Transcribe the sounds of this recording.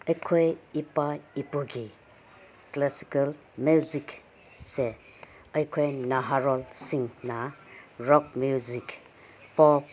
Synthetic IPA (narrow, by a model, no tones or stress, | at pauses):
ɐjkʰojipaipuɡi | klasi̥kal | mjuzik | se | ɐjkʰojnaɦaɾɔlsiŋnaɾɔk̚muzik | pɔp̚